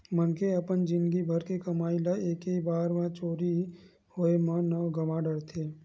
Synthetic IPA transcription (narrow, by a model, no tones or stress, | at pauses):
mənkeəpənd͡ʒɪ̃nd̪ɡibʱəɾkekəmaːilaeːkebaːɾmãt͡ʃoːɾi | hoemãnəʋɡəmãɖəɽt̪ʰeː